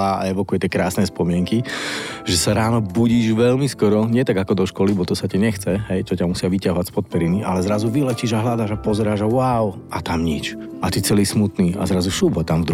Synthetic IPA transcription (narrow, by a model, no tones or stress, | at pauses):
aa̰ɛʋɔkujɛt̪jɛkɾaːsnɛspɔmɪɛŋkiʒɛsaɾaːnɔbuɟiːʒʋɛlmiskɔɾɔɲɪɛt̪aɡakɔd̪ɔʃkɔlibɔt̪ɔsaciɲɛxt͡sɛɦɛjt͡ʃɔcamusɪaʋicaɦɔʋḁspɔt̪̚pɛɾiniʔa̰lɛzɾazuʋilɛciːʒaɦlad̪aːʒapɔzɛɾaːʒawʊaʊʔat̪amɲit͡ʃ | at̪it͡sɛliːsmut̪niːa̰zɾazusubɦɔt̪amvd̪ɾ